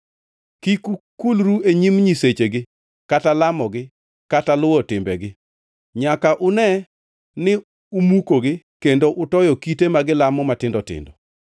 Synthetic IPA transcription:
kikukulɾueɲimɲiset͡ʃeɡɪ | katalamɔɡɪ | katalʊwɔtɪmbɛɡɪ | ɲakaʔʊnɛ | nɪ | umukoɡɪ | kendoʔʊtɔjɔkitemaɡɪlamɔmatɪndɔtɪ̰ndɔ

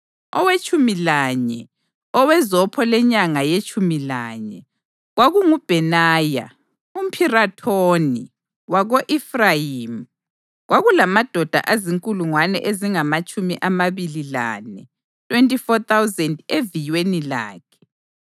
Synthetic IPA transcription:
ɔ̰wet͡ʃʼumilaɲɛ | ɔwɛzɔpʰɔlɛɲaŋajet͡ʃʼumilaɲɛ | ɣwaɣuŋub̥ʱɛnaːja̰ | um̩pʰiratʰoni | waɣoʔifraim | ɣwaɣulamad̥ʱɔd̥ʱa̰ʔaziŋkʼuluŋwanɛ̰ʔeziŋamat͡ʃʼumiʔamaβilila̰nɛ | tʰʼwentʼifɔt̪ʰawzɛndevijwenila̰ːkʰɛ̥

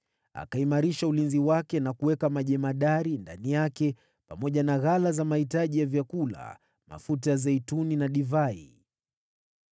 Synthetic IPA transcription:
a̰kaimaɾiʃaulinziwakɛnakuwɛkamaʄɛmaɗaɾindanijakɛ | pamɔʄanaɣalazamahitaʄijavjakula̰ | ma̰futajazɛituninaɗivaḭ

